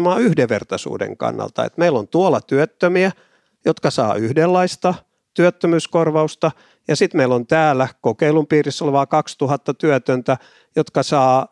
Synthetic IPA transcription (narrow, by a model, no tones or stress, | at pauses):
mɑːyhdeʋḛrt̪ɑsṵːdḛŋkɑ̰nːɑ̰lt̪ɑ̰ḛt̪meilːont̪uolːɑt̪yøt̪ːømiæ | jot̪kɑsɑ̰ːyhdelːɑist̪ɑ | t̪yøt̪ːømyːskorʋɑust̪ɑ | jɑsit̪meilont̪æːlːˑækokeilumpiːrisːolʋɑːkɑkst̪uhɑt̪ːɑt̪yøt̪ønt̪æ | jot̪kɑsɑː